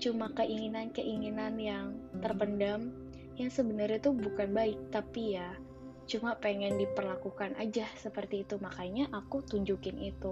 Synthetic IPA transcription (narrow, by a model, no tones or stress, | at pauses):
t͡ʃumakəʔiŋinankəʔiŋinanjaŋt̪ərpəndam | jaŋsəbənərɲat̪ubukanbaɪk̚t̪apija | t͡ʃumapeŋɛndipərlakukanʔa̰d͡ʒahsəpərt̪iːt̪umakaiɲaʔakut̪uɲd͡ʒukɪnit̪u